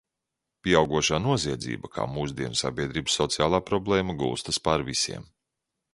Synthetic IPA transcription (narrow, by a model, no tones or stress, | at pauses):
pʲiɛawɡuɔʃaːnuɔziɛd̪zḭːbakʰa̰ːmuːzd̪iɛnsa̰bʲiɛd̪ɾiːbsːɔt̪sijaːlˠaːpɾɔblˠɛːmaɡṵːst̪ɐspaɾvisḭɛm